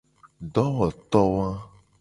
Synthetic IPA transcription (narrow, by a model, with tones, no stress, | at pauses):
ɖɔ˦wɔ˨t̪ɔ˦wã˦